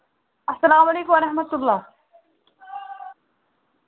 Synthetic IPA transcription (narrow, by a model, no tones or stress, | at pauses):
ɐsːɐlaːmɐleːkũwɐɾɐħmɐt̪ulːaː